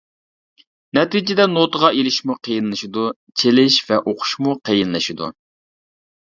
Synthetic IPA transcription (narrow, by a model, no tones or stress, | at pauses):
nɛt̪id͡ʒɪd̪ɛnot̪əʁɑʔelɪʃmuqʰejinlˠɨʃid̪u | t͡ʃʰelɪʃvɛʔoqʰʊ̥ʃmuqʰejinlˠɨʃid̪ṵ